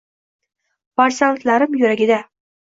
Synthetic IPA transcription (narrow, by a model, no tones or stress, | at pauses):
faɾsant̪laɾɪmjɵɾaɡʲɪd̪a